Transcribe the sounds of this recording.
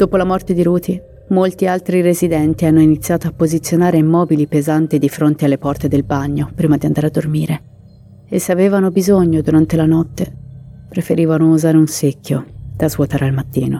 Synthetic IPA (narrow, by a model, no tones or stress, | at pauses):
d̪̥oːpolamɔrt̪ed̪iɾuːt̪ʰi | molt̪ialt̪ɾiɾezid̪ɛnt̪ianːoinit̪sːjaːt̪oapːozit̪sːjonaːɾeimːɔːbilipezant̪id̪ifɾont̪ealːepɔrt̪ed̪elbaɲːopɾiːmad̪iand̪aːɾead̪ːormiːɾe | esːeaveːvanobizoɲːod̪uɾant̪elanɔt̪ːepɾefeɾiːvanouzaːɾeunsekʰʲːod̪̥azvwot̪aːɾealmat̪ːiːno